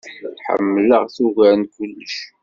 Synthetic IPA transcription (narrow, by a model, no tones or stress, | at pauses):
ħə̰mːələʁθuʝænkʊlːəʃ